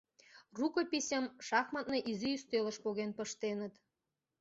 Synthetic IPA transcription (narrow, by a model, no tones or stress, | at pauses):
rukopʲisʲəmʃɑxmɑt̪̚neʔiziyst̪ølə̆ʃpoɣenpəʃt̪enə̆t̪